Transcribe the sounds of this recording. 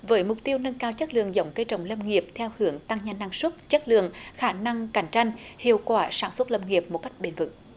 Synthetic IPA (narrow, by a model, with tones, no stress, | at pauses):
vəː˨˦jmʊ˨˩k͡p̚t̪i˧əwnə˧nkaː˧wt͡ɕə˦˥t̚lɨ̰˧˨əŋzə˨˦wŋ͡mkəː˧jt͡ɕə̰˧˨wŋ͡mlə˧mŋi˨˩əp̚t̪ʰɛ˧whɨ˨˩əŋt̪a˧ŋɲa˧nːa˧ŋswə˦˥t̚t͡ɕə˦˥t̚lɨ̰˧˨əŋxaː˧˩na˧ŋka˧˩jŋ̟t͡ɕa˧jŋ̟hḭ˧˨əwkwaː˧˩saː˧˩nswə˦˥t̚lə˧˩ŋi˨˩əp̚mo˨˩t̚ka˦˥jk̚ɓe˧˩nvɨ̰˧˦